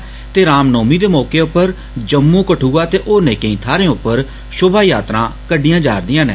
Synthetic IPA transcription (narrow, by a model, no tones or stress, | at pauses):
t̪eːɾaːmnoːmiːd̪eːmɔːkeːʊpːəɾ | d͡ʒəmːũːkəʈʰuːaːt̪eːʔoːneːkẽĩːt̪ʰaːɾẽːʊpːəɾ | ʃʊbaːjaːt̪ɾãːkəɖijãːd͡ʒaːɾd̪ɪjãːnḛː